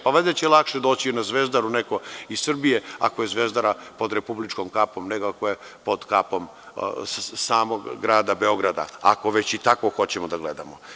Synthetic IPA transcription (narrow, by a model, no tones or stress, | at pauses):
paʋad̪at͡ɕɛlˠakʃed̪o̞ːt͡ɕinazʋezd̪aɾuneko̞issr̩bijea̰kojezʋeːzd̪aɾapo̞d̪ɾepublit͡ʃkomkapo̞mneɡoakoje | po̞d̪kapom | saːmoɡːɾaːd̪abeo̞ɡɾad̪a̰a̰koʋet͡ɕit̪akoxo̞t͡ɕemod̪aɡled̪amo